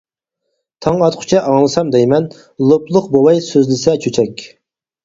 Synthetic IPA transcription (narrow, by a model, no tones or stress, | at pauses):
t̪ʰɑŋɑt̪qʰʊ̥t͡ʃʰɛʔɑŋlˠɨsɑmd̪ɛjmɛn | lˠoplˠʊqbowɑjsøzlɪsɛt͡ʃʰøt͡ʃʰɛkʲ